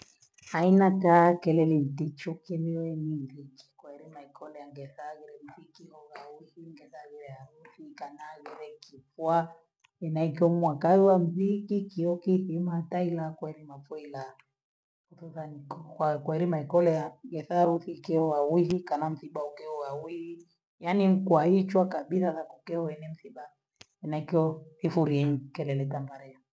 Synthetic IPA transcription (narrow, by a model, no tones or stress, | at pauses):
ainatakɛlɛlin̩tit͡ʃukɛβiwɛnimziki̥kwaɛɾimaikɔlɛjaŋɡɛθaɣɛɾɛm̩θikihɔɣawihiŋɡɛθaɣɛɾɛaɾuθikanaɣɛɾɛkifwa | ɛnaikiɔmwakawɛwam̩zikikiɔkiθimatailakwɛɾimafɔila | kuθuθanikɔkwakwɛɾimaikɔlɛaɡɛθaɾuθikɛɔwawiɦikanam̩θiɓaukɛɔwawihi | janiŋkwait͡ʃwakaɓiθaðakukɛɔɛnɛm̩θiɓa | ɛnaikiɔθifuɾiɛɲkɛlɛlɛtambaɾɛa